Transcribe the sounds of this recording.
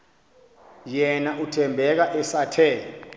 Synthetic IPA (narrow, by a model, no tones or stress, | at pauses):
jɛnaʔutʰɛmbʱɛk̬aʔɛsatʰɛːlɔ